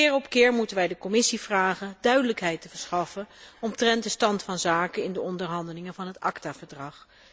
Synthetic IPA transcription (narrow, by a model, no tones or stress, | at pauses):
ɪːɹɔpkɪːɹmutənʋɛjdəkɔmɪsiv̥raːχədœɥdələkɦɛjtəvəɹsχɑfəɔmtrɛntdəstɑntfɑnzaːkəɪndəɔndəɹɦɑndəlɪŋəvɑnɦətɑ̰ktaːvəɹdrɑχ